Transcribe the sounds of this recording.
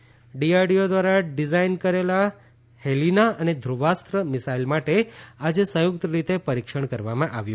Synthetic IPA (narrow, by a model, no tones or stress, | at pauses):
ɖiaɾɖijod̪ʋaɾaɖizainkəɾela | helinaʔəned̪ʱɾuʋast̪ɾəmɪsailmaʈead͡ʒesə̃jʊkt̪əɾit̪epəɾikʃəɳkəɾʋamãʔaʋjũ